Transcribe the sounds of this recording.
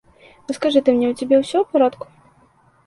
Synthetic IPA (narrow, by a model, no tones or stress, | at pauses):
vɨskaʐɨt̪ɨmnʲɛwt͡sʲabʲɛwsʲɔwpaɾɔt̪ku̥